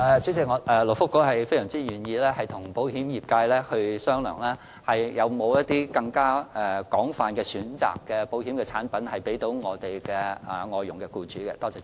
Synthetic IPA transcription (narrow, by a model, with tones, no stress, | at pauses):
ɛ˨˧t͡sʰy˨˥t͡sɪ˧˥ŋɔ˨˧ɛ˧lʊ˨˩fʊ˥kːo˨˥hɐ˨jfe˥jsœː˨˩ŋt͡siː˥jyː˨˩njiː˧lɛː˥hɐ˨jt̪ʰʊ˨˩ŋpo˨˥whiː˨˥mjiː˨p̚kaː˧jlɛː˥hɵ˧ɥsœː˥ŋlœ̰ː˨˩ŋlɛː˥ | hɐ˨jjɐ˨˧wmo˨˧wjɐ˥t̚t̪iː˥kɐ˧ŋkaː˥ɛ˨kɔː˨˥ŋfaː˨nkɛː˧syː˨˥nt͡sa̰ː˨˩kːɛː˧po˨˥whiː˨˥mkɛː˧t͡sʰaː˨˥npɐ˨˥nhɐ˨jpe˨˥jt̪o˨˥wŋɔː˨˧t̪e˨jkɛː˧ɛ˨˩ŋɔː˨˧jʊ˨˩ŋkɛ˧kuː˧t͡ʃyː˨˥kɛ̰˧t̪ɔː˥t͡sɛː˧˥